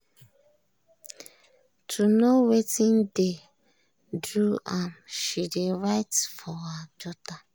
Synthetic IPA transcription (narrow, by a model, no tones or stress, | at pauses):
tʰunowetin̩de | dɾuamʃideɾajtfɔad͡ʒɔta